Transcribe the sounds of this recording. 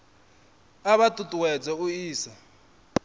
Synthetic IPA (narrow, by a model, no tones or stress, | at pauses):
aβatʼutʼuwɛd͡zɛuiːsa